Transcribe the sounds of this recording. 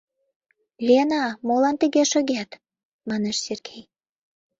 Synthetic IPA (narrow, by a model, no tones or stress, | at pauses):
lʲenɑmolɑnt̪əɣeʃø̆ɣʲæt̪ | mɑneʃserɡej